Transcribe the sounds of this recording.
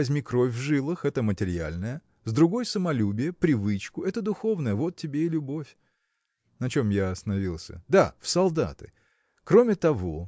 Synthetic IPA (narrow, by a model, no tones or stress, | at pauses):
ɐzʲmʲikɾo̞fʲvʐɨlˠɨxɛt̪əmətʲɪɾʲɪa̰lʲnəjə | zd̪ɾʊɡo̞jsəmɐlʲubʲɪjəpɾʲɪvɨt͡ɕkʊɛt̪əd̪ʊxo̞vnəjəvo̞t̪ʲtʲːɪbʲeɪlʲʊbo̞fʲ | nɐt͡ɕomjaɐst̪ənɐvʲilˠsʲə̰d̪afsɐlˠd̪a̰t̪ɨ̰ | kɾo̞mʲɪt̪ɐvo̞